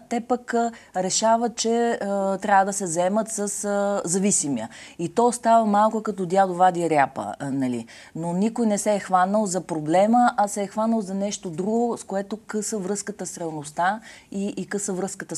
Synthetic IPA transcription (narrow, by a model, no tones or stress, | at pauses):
t̪ɛpəkɾɛʃavət̪̚t͡ʃɛt̪ɾʲavəd̪ɐsɛzɛmət̪səszɐvisimiəit̪ɔst̪avəmalˠkʊkɐt̪ɔd̪ʲjad̪ovad̪iəɾʲjapə̰nɐlḭ | nonikojnɛsɛːxvanəlˠzɐpɾoblɛməʔɐsɛːxvanəlˠzɐnɛʃt̪od̪ɾuɡoskoɛt̪okɤsəvɾɤskət̪əsɾɛlˠnost̪aiʔːkɤsəvɾɤskət̪ə